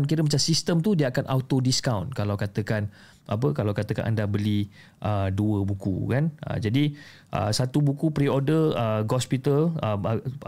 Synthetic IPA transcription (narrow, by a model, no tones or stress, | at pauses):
kiɾəmat͡ʃamsist̪əmt̪udiəakanʔa̰wt̪odiskawnkalawkat̪əkan | ʔa̰p̬əkalawkat̪əka̰nʔa̰ndabəli | ʔəduəbukṵkanʔə̰d͡ʒadi | ʔə̰sat̪ubukupɾiɔdəəɡɔspit̪ələ